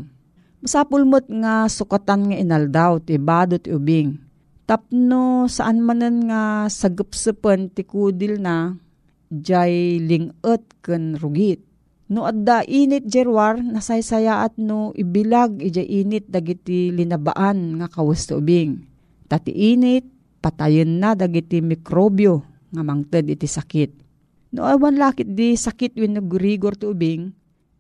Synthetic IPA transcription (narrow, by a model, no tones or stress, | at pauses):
masapʊlmət̪̚ŋasʊkat̪anŋaʔinald̪awt̪ibaːd̪ot̪iʔubɪŋ | t̪ap̚nosaʔanmanɨnŋasaɡəp̚sɨpənt̪ɪkud̪ɪlna | d͡ʒajlɪŋət̪̚kɨnɾʊɡɪt̪̚ | nʊʔad̪aʔiːnɪt̪̚d͡ʒɛɾwaɾnasajsajaʔat̪̚noʔɪbɪlaɡid͡ʒajʔiːnɪt̪̚d̪aɡit̪ilɪnaba̰ʔanŋakawəst̪ɪʔubɪŋ | t̪at̪ḭʔiːnɪt̪̚ | pat̪ajənːad̪aɡit̪imɪkɾobjo | ŋamaŋt̪əd̪ʔɪt̪isakɪt̪̚ | nʊ̰ʔawanlaːkɪt̪̚d̪isakɪt̪̚winːuɡʊɾiɡoɾt̪ɪʊbɪŋ